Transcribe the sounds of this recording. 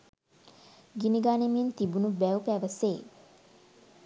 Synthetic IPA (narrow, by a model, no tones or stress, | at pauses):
ɡiniɡaːnemijent̪ibunubæwpæʋəseː